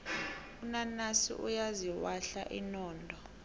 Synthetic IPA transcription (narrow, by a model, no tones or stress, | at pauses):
unanasḭʔṵjaziwaɬaʔinɔːndʱɔ